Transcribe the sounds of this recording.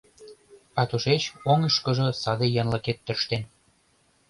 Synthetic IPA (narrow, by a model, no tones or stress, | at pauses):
ɑt̪uʃet͡ɕoŋə̆ʃkɤ̆ʒɤ̆sɑd̪ĕjɑnlɤ̆ket̪ːø̆ʃt̪en